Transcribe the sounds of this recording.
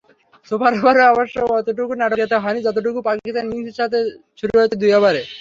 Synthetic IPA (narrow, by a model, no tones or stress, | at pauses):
sopaɾobaɾoabaʃoɔt̪oʈ̬ukunaʈoɡet̪eɦɔenid͡ʑɔt̪̬oʈ̬ukupakiist̪anmiŋseɾʃat̪ʰe | ʃʰuɾuɦojt͡ɕʰed̪ujabaɾe